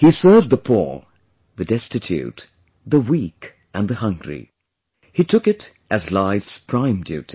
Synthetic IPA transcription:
hisɜ˞vdðəpʰṵɹ | ðɨdɛstɨtʰʉ̰t̪ | ðəwik | ʔɨ̃nðəhʌ̃ŋɡɹḭ | hitʰʊkɨɾ | ʔɨzlaɪfspʰɹ̥ãɪ̃mdjʉ̰ɾi

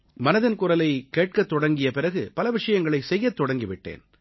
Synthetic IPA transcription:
mɐnɐðɐnkʊɾɐlɐɪkːeːʈ̚kɐt̪ːɔɽɐŋɡɪjɐpɪɾɐɣɯpɐlɐʋɪʂɐjɐŋɡɐɭɐɪsɛjːɐt̪ːɔɽɐŋɡɪʋɪʈːḛːn

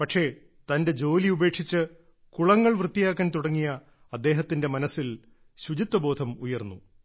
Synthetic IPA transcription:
pɐʈʂe̞ | t̪ɐnde̞d͡ʑo̞ːliube̞ːkʂit͡ɕːɨ | kuɭɐŋːɐɭʋrɨt̪ːijaːkːaːnt̪uɽɐŋːijɐː | d̪ːe̞ːɦɐt̪ːinde̞mɐnɐsil | ɕud͡ʑit̪ːwɐbo̞ːd̪ʱɐmujɐrnːu

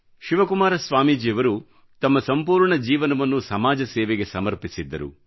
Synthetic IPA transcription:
ʃiʋɐkumaːɾɐsʋaːmid͡ʒiːjɐʋɐɾu | t̪ɐmːɐsɐmpuːɾɳɐd͡ʒiːʋɐnɐʋɐnːusɐmaːd͡ʒɐsɛːʋeɡe̞sɐmɐɾpisid̪ːɐɾṵ

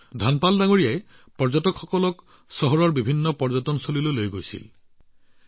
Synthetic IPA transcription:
dʱanpaldaŋoɹijaj | pɔɹzɔtɔkxɔkɔlɔk | sɔɦɔɹɔɹbibʱinːɔpɔɹzɔtɔnsolilolojɡojsḭl

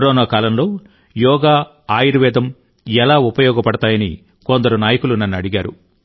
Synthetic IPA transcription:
ɾɔːnaːkaːlɐmlo̞ː | jɔːɡaː | aːjiɾuʋɛːd̪ɐm | ɛlaːupɐjɔːɡɐpɐɽɐt̪aːjɐnḭ | kond̪ɐɾunaːjɐkulunɐnːɐɽiɡaːɾṵ

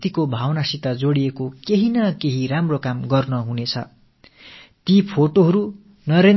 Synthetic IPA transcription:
t̪ikobʱawnasit̪ad͡zoɽiekokeɦinʌkeɦiɾamrokamɡʌrnʌɦunet͡sʰʌ̰ | t̪ipʰoʈoɦʌɾu | nʌɾen

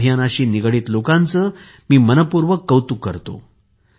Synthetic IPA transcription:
ɦjanaɕiːniɡɭiːt̪lokãnt͡səː | miːmənəpuɾʋəkːəwt̪ukːə̰ɾt̪o̰

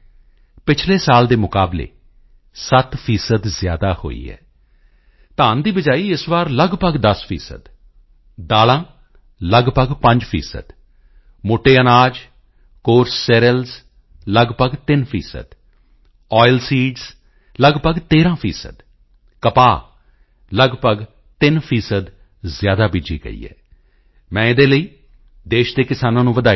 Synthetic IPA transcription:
pɪt͡ʃʰleːsaːld̪eːmʊkaːblḛː | sət̪pʰiːsəd̪zɪja̰ːd̪aːho̰ːḭːɦɛ̰ː | t̪aːnd̪iːbəd͡ʒaːiːɪsʋaːɾləɡbəɡd̪əspʰḭːsə̰d̪ | d̪aːlãː | ləɡbəɡpə̃ɲd͡ʒpʰḭːsə̰d̪ | moːʈeːənaːd͡ʒ | koːɾsːɛːɾəlz | ləɡpəɡt̪ɪnpʰḭːsə̰d̪ | ɔːɪlsiːɖz | ləɡpəɡt̪eːɾãːpʰiːsə̰d̪ | kəpaː | ləɡpəɡ | t̪ɪnpʰiːsəd̪ | zɪjaːd̪aːbid͡ʒḭːɡə̰ḭːɛ̰ː | mɛ̃ːɪd̪eːləiː | d̪eːʃd̪eːkɪsaːnãːnũːʋəd̪aː

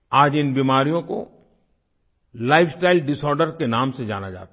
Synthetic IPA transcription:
aːd͡ʒɪnbiːmaːɾijõko̰ | laːɪfʰsʈaːɪlɖɪsɔːɾɖəɾkenãːmsed͡ʒa̰ːnad͡ʒa̰ːt̪

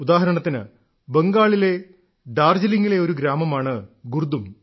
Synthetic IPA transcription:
ud̪aːɦɐɾɐɳɐt̪ːinɨ̰ | beŋɡaːɭile̞ | ɖaːrd͡ʑɐliŋːile̞o̞ɾuɡɾaːmɐmaːɳɨɡurd̪um

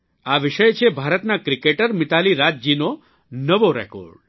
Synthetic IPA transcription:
aʋiʃəjt͡ʃʰebʱaɾət̪nakɾikeʈəɾmɪt̪aliɾad͡ʒd͡ʒino | nəʋoɾɛ̰ko̰ɾɖ

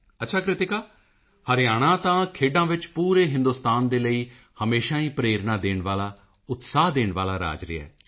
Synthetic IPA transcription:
ətːʃʰaːkɾɪt̪ɪkaː | həɾɪjaːɽ̃ãːt̪ãːkʰeːɖãːʋɪt͡ʃpuːɾeːɦɪ̃nd̪ʊst̪aːnd̪eːləiː | həmeːʃãːiːpɾeːɾnaːd̪eːɳʋaːlaː | ʊt̪saːɦd̪eːɳʋaːlaːɾa̰ːd͡ʒɾɪ̰ɛ̰ː

